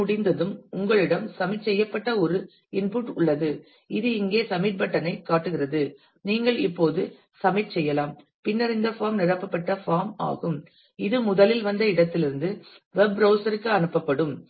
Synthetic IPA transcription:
ʊɽɪnd̪ɐðɯmʊŋɡɐɭɪɽɐmsɐmɪʈsɛjːɐpːɐʈːɐɔɾɯ | ɪnpuːʈʊɭːɐðɯ | ɪðɯɪŋɡeːsɐmɪʈ̚bɐʈːɐnɐɪkːaːʈːɯɣɪrɐðɯ | niːŋɡɐɭɪpːoːðɯ | sɐmɐɪʈsɛjːɐlaːm | pɪnːɐɾɪnd̪ɐfaːmnɪɽɐpːɐpːɐʈːɐfaːma̰ːɣɯm | ɪðɯmʊðɐlɪlʋɐnd̪ɐɪɽɐt̪ːɪlɪɾɯnd̪ɯ | ʋɛbɾɐʊsɐɾɯkːɯɐnɯpːɐpːɐɽɯm

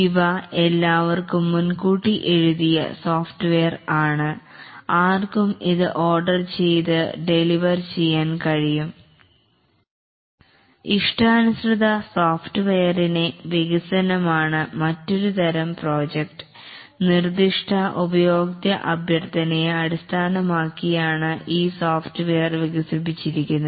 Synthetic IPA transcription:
iʋɐelːaːʋɐrkumːunkuːʈːiʔe̞ɻuðijɐ̰soːfʈɨʋejɐraːɳɨaːrkumiðɨʔo̞ːrɖɐrt͡ɕe̞jt̪ɨɖe̞liʋɐrt͡ɕe̞jːaːnkɐɻijum | iʂʈʰaːnusrɨd̪ɐsoːfʈɨʋejɐrineʋiɣɐsɐnɐmaːɳɨmɐtːo̞ɾut̪ɐɾɐmproːd͡ʑek̚ʈɨ̥ | nird̪iʂʈʰɐʔubɐjo̞ːɡt̪jɐʔɐbʱjɐrt̪ɐnɐjɐɽist̪ʰaːnɐmaːkːijaːɳɨʔiːsoːfʈɨʋejɐrʋiɣɐsipːit͡ɕːiɾik̬ʲːunːɐ

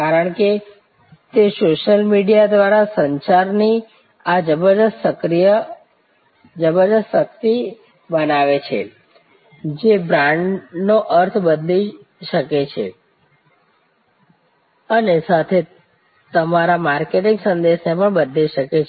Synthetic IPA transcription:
kaɾəɳke | t̪esoʃəlmiɖijad̪ʋaɾasəɲt͡ʃaɾni | ad͡ʒəbəɾd̪əssəkɾijə | d͡ʒəbəɾd̪əst̪sək̚t̪i | bənaʋet͡ʃʰḛ | d͡ʒebɾãɳɖnoʔəɾt̪ʰbəd̪li | ʃəket͡ʃʰḛ | ənesat̪ʰe | t̪əmaɾamaɾkeʈiŋɡsənd̪eʃnepəɳbəd̪liʃəket͡ʃʰ

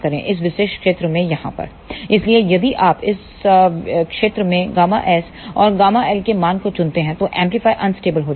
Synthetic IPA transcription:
kɐɾḛ̃ʔɪs̬ʋɪʃeːʃkʃeːt̪ɾəmẽjɐɦã̰pɐ̰ɾ | ɪsliejɐd̪iʔaːpɪs | kʃeːt̪ɾəmẽɡaːma̰ʔɛːs | ɔːɾɡaːmaɛlkemaːnkot͡ʃʊ̃nt̪eɦɛ̃t̪oʔɛ̃ːmplifaːiʔɐnsʈeːbəlɦoːd͡ʒ

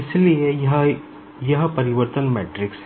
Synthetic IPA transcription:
ɪsilijɐɦɐ | jɐɦɐpɐɾɪʋɐɾt̪ɐnmeʈɾɪks

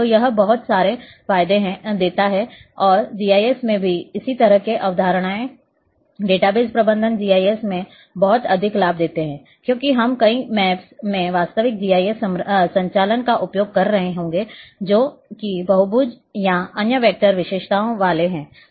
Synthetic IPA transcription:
ojɐɦbɐɦʊt̪saːɾe | faːjd̪eɦd̪eːt̪aɦɛɔːɾd͡ʒiːaːjeːsmẽbʱiɪsit̪ɐɾəɦkeʔɐʋd̪ʱaːɾəɽ̃aːẽ | ɖeːʈaːbeːzpɾɐbə̃nd̪ʱənd͡ʒiːaːiesmẽ | bɐɦʊt̪ɐd̪ʱɪklaːb̚d̪eːt̪eɦɛ̃ː | kjõːkiɦɐmkɐĩmɛːpsmẽʋaːst̪əʋɪk̚d͡ʒiːaːiessɐ̃ɲt͡ʃaːlənkaʔʊpjoːɡ̚kɐɾːɐɦeɦõːŋɡed͡ʒoːkibɐɦʊbuːd͡ʒ | jaɐnjəʋeːk̚ʈəɾʋɪʃeːʃt̪aːõʋaːleɦɛ̃ː

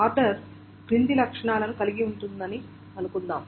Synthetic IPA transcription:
aːɾɖɐɾ | ɡɾind̪ilɐkʂɐɳaːlɐnukɐliɡiuɳʈund̪ɐni | ɐnukund̪aːm

